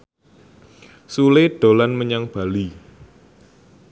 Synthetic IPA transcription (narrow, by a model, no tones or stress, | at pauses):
sulɪɖ̥o̤lanməɲaŋb̥a̤li